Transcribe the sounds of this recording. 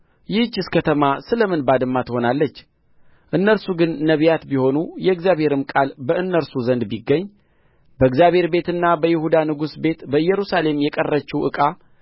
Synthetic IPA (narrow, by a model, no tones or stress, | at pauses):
jɪht͡ʃːɨskʰət̪ʰəmasɨləmɨnbad̪ɨmːat̪ho̞nalːət͡ʃː | ʔɨnːəɾsuɡɨnːəβjat̪biho̞nujɛɡzjaβhe̞ɾɨmkʼalbəɨnːəɾsuzənd̪biɡːəɲː | bəɨɡzjaβhe̞ɾbe̞t̪ɨnːabəjɪhud̪anɨɡusbe̞t̪bəɨjːɛɾusale̞mjɛkʼərːət͡ʃːɛwʔɨkʼa